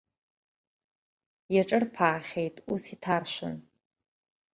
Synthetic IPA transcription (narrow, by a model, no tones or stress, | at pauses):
jaʈ͡ʂʼɨrpʰaːχʲejtʼusitʰarʃʷʊ̰n